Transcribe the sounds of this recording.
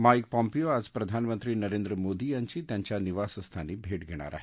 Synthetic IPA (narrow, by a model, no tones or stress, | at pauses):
majkpɔ̃mpijoad͡zpɾɐd̪ʱanmənt̪ɾiːnɐɾẽːnd̪ɾəmoːd̪ijaɲt͡ɕiːt̪jaɲt͡ɕjaniʋasəst̪ʰanibʱeːʈɡʱeɽ̃a̰ɾa̰ɦe